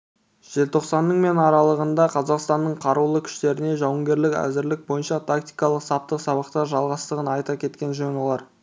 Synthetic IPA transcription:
ʒ̥e̞lt̪ʰo̞qsɑnːəɴme̞nɑɾɑlˠəʁənd̪ɑqʰɑzɑqst̪ɑnːəɴqʰɑɾulˠəkʲʰʏ̥ʃt̪e̞ɾɪne̞ʒɑwəŋɡʲe̞ɾlɪkæ̰zɪɾlɪk̚bo̞jənʃɑt̪ʰakt̪ijkɑlˠəqsɑp̚t̪əqsɑβɑqt̪ɑɾʒɑlˠʁɑst̪əʁənɑjt̪ɑkʲʰe̞t̪kʲe̞nʒønolˠɑɾ

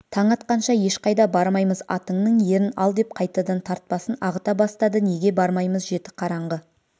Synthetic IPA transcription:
t̪ʰɑɴɑt̪̚qɑnʃɑje̞ʃqɑjd̪ɑbɑɾmɑjməzɑ̰t̪əɴnəɴje̞ɾɪnɑ̰lˠd̪e̞p̚qʰɑjt̪ɑd̪ɑnt̪ʰɑɾt̪̚pɑsənɑʁət̪ɑbɑst̪ɑd̪əne̞ɡʲe̞bɑɾmɑjməzʒe̞t̪ɪ̥qʰɑɾɑɴʁə

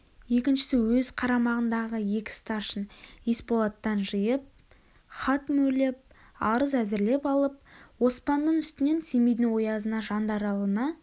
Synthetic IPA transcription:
je̞kʲɪnʃɪ̥sɪwɵzqʰɑɾɑmɑʁənd̪ɑʁəje̞kʲɪ̥st̪ɑʃənespolˠat̪ːɑnʒəjəp̚ | χɑt̪mɵlɪp̚ | ɑɾəzæzɪɾle̞pɑlˠəp̚wo̞spɑnd̪əɴʏst̪ɪne̞nse̞mijd̪ɪwo̞jɑzənɑʒɑnd̪ɑɾɑlˠənɑ

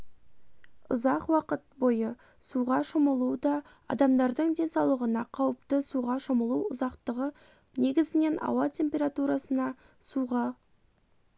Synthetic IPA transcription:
ʊ̰zɑqwɑqət̪̚bo̞jə | suʁɑʃəməlˠud̪ɑ | ɑ̰d̪ɑmd̪ɑɾd̪əɴd̪ʲe̞nsɑwlˠəʁənɑqʰɑwəp̚t̪əsuʁɑʃəməlˠuʊzɑqt̪əʁə | ne̞ɡʲɪzɪne̞nʔɑ̰wɑt̪ʲʰe̞mpʲe̞ɾat̪uɾɑsənɑ | suʁɑ

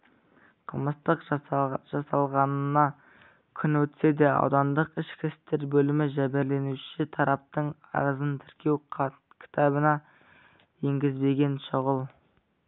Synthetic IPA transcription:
qʰəlˠməst̪əqʒɑsɑlˠʁɑnənɑ | kʲʰʏnwɵt̪se̞d̪eɑ̰wd̪ɑnd̪əqɪʃkʲɪst̪eɾbɵlɪmɪʒæbeɾle̞nuʃɪt̪ʰɑɾɑp̚t̪əɴ | ɑ̰ɾəzənt̪ʰɪɾkʲe̞w | kʲʰɪ̥t̪ʰɑbənɑ | je̞ŋɡʲɪzbe̞ɡʲe̞nʃoʁəlˠ

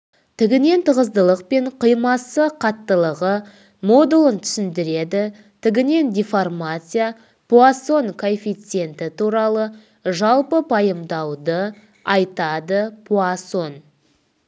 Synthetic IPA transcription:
t̪ʰɪɡʲɪne̞nt̪ʰəʁəzd̪əlˠəq̚pe̞ɴqʰəjmɑsəqʰɑt̪ːəlˠəʁə | mo̞d̪ulˠənt̪ʰʏ̥sɪnd̪ɪɾe̞d̪ɪ | t̪ʰɪɡʲɪne̞nd̪ʲiformat̪sɨja | puaso̞ŋkʰo̞fijt̪sɨe̞nt̪ɪt̪uɾɑlˠə | ʒɑlˠpəpʰɑjəmd̪ɑwd̪ə | ɑjt̪ɑd̪əpʰuaso̞n

